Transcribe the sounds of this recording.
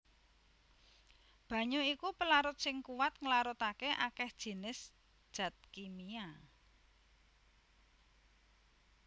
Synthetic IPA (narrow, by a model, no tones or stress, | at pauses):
b̥ä̤ɲuikupəlaɾʊt̪̚sɪŋkuwat̪̚ŋəlaɾʊt̪akeʔakɛhd̥ʒ̥i̤nɪs | d̥ʒ̥ä̤t̪̚kimia